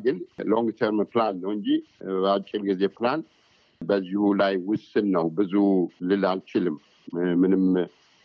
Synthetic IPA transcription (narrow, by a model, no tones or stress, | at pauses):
ɡɨnloŋɡt̪ʰəɾmplanːəwɨɲd͡ʒibat͡ʃʼːilɡize̞pʰlan | bəzːihulajwʊsːɨnːəwbɨzulɨlalt͡ʃʰɪlɨm | mɨnɨm